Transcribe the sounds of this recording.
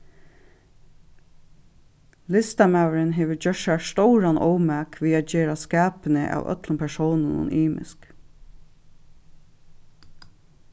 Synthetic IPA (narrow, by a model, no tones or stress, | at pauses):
lɪst̪amaːwəɾɪnɦeːʋəd͡ʒœʃast̪ɔʊɾanʔɔ̰wmæːkʋiːaːt̪̚d͡ʒeːɾaskaːpənə̰ʔa̰ːwœ̰t̪ləmpʰɛʂɔwnənʊ̰nʔiːmɪ̰sk